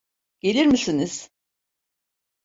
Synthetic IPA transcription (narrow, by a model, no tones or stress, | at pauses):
ɟ̥e̞lʲiɾmisiniz̥